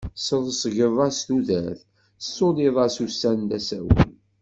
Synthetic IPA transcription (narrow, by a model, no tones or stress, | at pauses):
səðˤəsəʝəvˤɑst̪uðæθ | sːoliðˤɑsusːænt̪æsæwə̰n